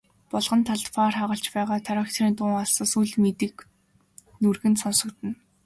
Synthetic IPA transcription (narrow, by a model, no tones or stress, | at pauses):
pɔɮʁə̆nt̪ʰaɮt̪faːrχaʁə̆ɬt͡ɕpæːʁaːt̪ʰaɾăːkt̪ʰriːnt̪ʊːŋɔɮsɞ̆ːsuɮmet̪ɘ̆k | nurɣɘ̆nsɔnsɞ̆kt̪ɘ̆n